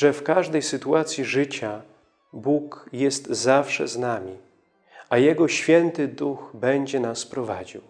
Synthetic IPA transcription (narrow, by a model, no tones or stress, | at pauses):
ʐɛfkaʐd̪ɛjsɘt̪uat̪sʲjiʐɘt͡ɕa | bukjɛst̪zafʂɛ̰znamʲi | ajɛɡɔɕfʲjɛnt̪ɘd̪uxbɛɲd͡ʑɛnaspɾɔva̰d͡ʑiw